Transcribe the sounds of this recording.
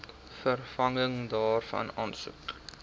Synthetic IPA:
fərfɐŋəŋdɑːrfɐ̰nɑːnsṵk

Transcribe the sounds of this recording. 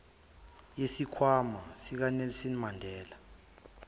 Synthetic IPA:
jesikʰwamasik̬anɛlisinimandʱɛːla

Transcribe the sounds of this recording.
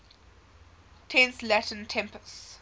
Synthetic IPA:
tʰɛ̃nslætə̃ntʰɛ̃mpəs

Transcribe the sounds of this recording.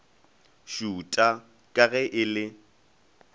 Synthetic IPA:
ʃuːtʼa | kʼaɣɛʔɪlɪ

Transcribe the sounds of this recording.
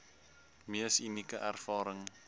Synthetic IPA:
miəsinikəʔærfɑːɾəŋ

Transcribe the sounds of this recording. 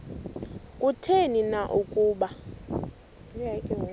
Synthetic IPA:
kʼutʰeninaʔukʼuːɓa | ijakʼɛ

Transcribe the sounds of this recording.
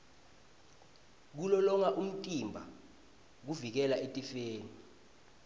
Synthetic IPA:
k̬ulɔlɔŋaʔum̩tʼimbʱa | k̬uvik̬ɛlaʔetʼifeːni

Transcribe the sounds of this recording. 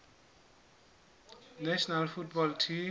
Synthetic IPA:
nɛsnalfʰuʈ̚bɔlʈʰi

